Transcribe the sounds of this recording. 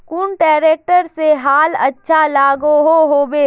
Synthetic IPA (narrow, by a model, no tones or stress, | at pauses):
kuːnʈɛːɾeːk̚ʈəɾseɦaːlɐ̰tːʃʰalaːɡoɦoɦoːbeː